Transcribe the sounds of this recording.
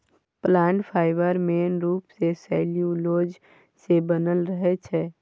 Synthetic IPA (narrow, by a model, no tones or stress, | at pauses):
plaːɳʈpʰaːɪbəɾmeːnɾuːpsesɛːljũloːd͡ʒ | sebənəlɾəɦet͡ʃʰɛː